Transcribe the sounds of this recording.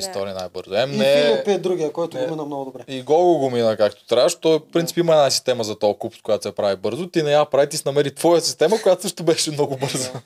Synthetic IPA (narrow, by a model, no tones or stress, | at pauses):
ist̪ɔɾiəna̰jbɤɾzʊɛmnɛopiɛd̪ɾuɡʲiɐkɔjt̪ʊɡʊmminəmnɔɡʊd̪obɾɛiɡɔɡoɡominəkakt̪o̥t̪ɾʲaʃt̪ɔjfpɾint̪si̥pimɐɛnasist̪ɛmɐzɐt̪ɔɐkupʊ̥skʊjat̪osɛpɾavibɤɾzʊt̪inɐjapɾavit̪isɛnɐmɛɾit̪vɔjəsi̥st̪ɛməkojat̪osɤʃt̪ʊbɛʃɛmnɔɡʊbɤɾzə